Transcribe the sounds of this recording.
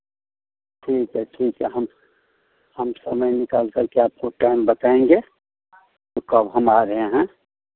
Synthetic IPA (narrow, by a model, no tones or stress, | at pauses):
ʈʰiːkɦɛʈʰiːkɦɛɦəm | həmsəməjnɪkaːlkəɾkeaːp̚koʈaɪmbət̪aẽŋɡe | tokəbɦəmaɾəɦẽɦɛ̃